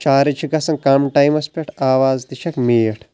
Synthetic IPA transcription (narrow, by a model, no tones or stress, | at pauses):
t͡ʃaːɾit͡ʃʰiɡɐsɐnkamʈaːjmɐspʲeʈʰaːʋaːzd̪iʃɐkmeːʈʰ